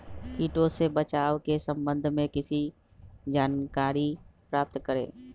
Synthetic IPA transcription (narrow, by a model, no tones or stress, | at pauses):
kiːʈõsebət͡ʃaːʋkesə̃mbə̃nd̪ʱmẽkɪsi | d͡ʒaːnkaːɾipɾaːp̚t̪kəɾḛ̃ː